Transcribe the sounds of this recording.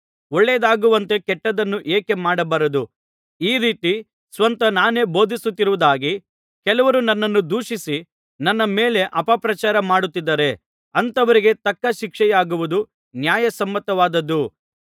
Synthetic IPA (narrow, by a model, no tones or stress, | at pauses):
ɔɭːed̪aːɡuʋɐnt̪e̞kɛʈːɐd̪ɐnːuʔeːke̞maːɽɐbɐɾɐd̪u | iːɾiːt̪i | sʋɐnt̪ɐnaːne̞ːbo̞ːd̪ʱisut̪ːiɾuʋud̪aːɡi | kɛlɐʋɐɾunɐnːɐnːud̪uːʂisi | nɐnːɐmeːle̞ʔɐpɐpɾɐt͡ʃaːɾɐmaːɽut̪ːid̪ːɐɾe̞ | ɐnt̪ɐʋɐɾiɡe̞t̪ɐkːɐʃikʂɛjaːɡuʋud̪u | njaːjɐsɐmːɐt̪ːɐʋaːd̪ɐd̪ːu